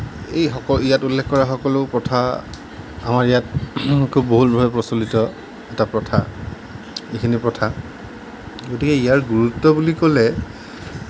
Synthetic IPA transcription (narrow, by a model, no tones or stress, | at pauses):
ejxɔkɔijatulːɛkʰkɔɹaxɔkɔlʊpɹɔtʰa | amaɹijat̚kʰubːoɦutbʱabɛpɹɔsolitɔ | ɛtapɹɔtʰa | ekʰinipɹɔtʰa | ɡotikɛijaɹɡuɹutːɔbulikɔlɛ